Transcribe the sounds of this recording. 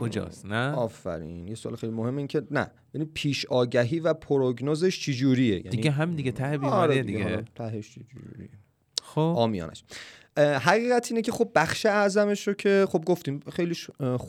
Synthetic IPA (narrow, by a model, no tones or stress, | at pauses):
kʰod͡ʒɒ̰ːsnæɒːfæ̰ɾḭːnjesoʔɒ̰ːlexejlimohemːeiːncʰe̞næ̰ | eeniːd̪̚pʰiːʃɒːɟæɦiːvæpʰoɾoɡnozeʃt͡ʃʰed͡ʒuːɾiḛjæ̰d̪iniɡeɦæmind̪iɡet̪ʰæhbiɒɾededid̪ieɡeɾet̪ʰæheʃt͡ʃed͡ʒṵd͡ʒṵɾḭje | oɒːmijɒ̰ːnæ̰ʃ | ɦæɣiːɣæt̪ʰiːnecʰe̞xob̚ːæxʃe̞æʔzæme̞ʃɾocʰe̞χob̚ɡoft̪iːmxejliʃ